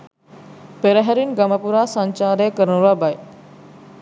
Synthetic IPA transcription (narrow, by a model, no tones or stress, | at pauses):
peɾəɦɐɾinɡɐməpuɾaːsaɲt͡ʃaːɾeːkəɾənuɾaːbaj